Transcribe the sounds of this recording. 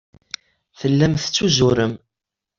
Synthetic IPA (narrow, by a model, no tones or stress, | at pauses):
θəlːæmθt͡sːuzʊɾəm